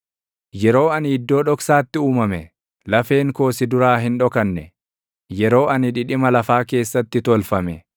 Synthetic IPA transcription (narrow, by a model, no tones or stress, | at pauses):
jɛɾo̞ːɐnɪd̪ːo̞ːᶑɔksaːt̪ːɪuːmɐmɛ | lɐfe̞ːŋko̞ːsɪd̪ʊɾaːɦɪnᶑɔkɐnːɛ | jɛɾo̞ːɐnɪᶑɪᶑɪmɐlɐfaːke̞ːsːɐt̪ːɪt̪ɔlfɐmɛ